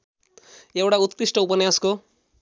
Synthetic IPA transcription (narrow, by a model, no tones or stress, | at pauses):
ewʈaut̪kɾisʈʌupʌnjasko